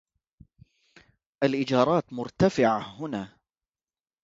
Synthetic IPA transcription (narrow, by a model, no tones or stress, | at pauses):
ʔalʔɪd͡ʒɑːɾˤɑːt̪mʊɾt̪afɪʕahʊnaː